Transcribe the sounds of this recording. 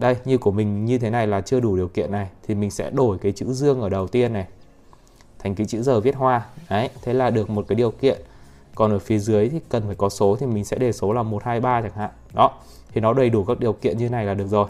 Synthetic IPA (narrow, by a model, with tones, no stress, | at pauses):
ɗə˧jɲɨ˧ku˧˩əmï˨˩ŋ̟ɲɨ˧t̪ʰe˨˦na˨˩jlaː˨˩t͡ɕɨ˧əɗu˧˩ɗi˨˩əwkḭ˧˨ənːa˨˩jt̪ʰi˨˩mï˨˩ŋ̟sɛ̰˧˥ɗo˧˩jkaː˨˦jt͡ɕɨ̰˧˥zɨ˧əŋʔəː˧˩ɗə˨˩wt̪i˧ənːa˨˩j | t̪ʰa˨˩jŋ̟ki˨˦t͡ɕɨ̰˧˥zəː˨˩vi˦˥ət̚hwaː˧ʔə˨˦jt̪ʰe˨˦laː˨˩ɗɨ˨˩ək̚mo˨˩t̚kaː˨˦ɗi˨˩əwkḭ˧˨ən | kɔ˨˩nʔəː˧˩fi˨˦zɨ˨˦əjt̪ʰi˨˩kə˨˩nfaː˧˩jkɔ˨˦so˨˦t̪ʰi˨˩mï˨˩ŋ̟sɛ̰˧˥ɗe˨˩so˨˦laː˨˩mo˨˩t̚haː˧jɓaː˧t͡ɕaː˧˩ŋha̰ː˧˨nɗɔ˨˦ | t̪ʰi˨˩nɔ˨˦ɗə˨˩jɗu˧˩kaː˦˥k̚ɗi˨˩əwkḭ˧ənɲɨ˧tʰe˨˦na˨˩jlaː˨˩ɗɨ˨˩ək̚zo˨˩j